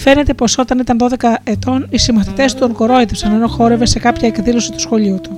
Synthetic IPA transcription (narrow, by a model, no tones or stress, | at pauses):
fe̞ne̞t̪e̞po̞so̞t̪ɐnit̪ɐnðo̞ðe̞kɐe̞t̪o̞nisimɐθit̪e̞st̪uoŋko̞ɾo̞it̪efsɐnɐnoxo̞ɾe̞ve̞se̞kɐpçɐe̞kðilo̞sit̪u̥sxo̞ʎiut̪u